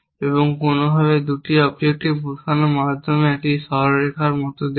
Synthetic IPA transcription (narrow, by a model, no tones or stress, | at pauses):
eboŋkonobʱabed̪uʈiɔbek̚ʈibuɾkʰanomad̪ʱːomeɛkiʃɔɾɾekʰaɾmɔt̪od̪e